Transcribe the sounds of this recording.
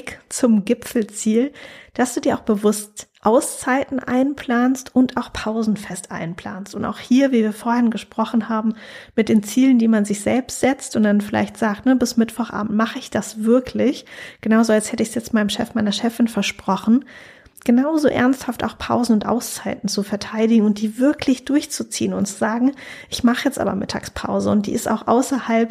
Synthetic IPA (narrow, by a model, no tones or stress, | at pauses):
kt͡sʊmɡɪpfl̩t͡siːld̥asd̥uːdiːɐaʊxb̥əvʊstʔaʊst͡saɪtn̩ʔa̰ɪnpʰl̥aːnstʔʊntʔaʊxpʰaʊzn̩fɛstʔa̰ɪnpʰl̥a̰ːnstʊnta̰ʊxhiːɐviːviːɐfoːɐhɪnɡəʃpʁ̥ɔχn̩haːbm̩mɪt̚d̥eːnt͡siːləndiːmanzɪçz̥ɛlpstz̥ɛt͡stʊnt̚d̥anfɪla̰ɪçtz̥aːk̚tnəbɪsmɪtv̥ɔχʔa̰ːbm̩tmaχəɪçd̥asv̥ɪɐkʰlɪçɡ̥ənaʊzoalsthɛtəɪçsjɛt͡stmaɪnəmʃɛ̰fmaɪnɐʃɛfɪnfɛɐʃpʁ̥ɔχn̩ | ɡ̥ənaʊzo̰ːʔɛ̰ɐnsthafta̰ʊxpʰa̰ʊzn̩ʊntʔa̰ʊst͡saɪtn̩t͡sufɛɐtʰaɪdɪɡŋ̩ʊnt̚d̥iːvɪɐklɪçd̥ʊɐçt͡sut͡sḭːənʊ̰ntt͡suzaːɡŋ̩ʔɪçmaχəjɛt͡stʔa̰ːbɐ̰mɪ̰tʰa̰ːkspʰa̰ʊzəʊntd̥ḭːɪsta̰ʊxʔa̰ʊsɐhalp